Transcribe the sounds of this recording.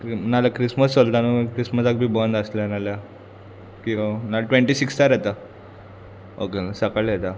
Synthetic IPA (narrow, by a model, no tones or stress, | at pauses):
kɾnalakɾisməsɔlt̪anəkɾisməsak̚bʱiːbɔnd̪əsljanalja | kĩanaʈʋẽɳʈiːsikst̪aɾet̪a | o̰kesəkaɭjet̪a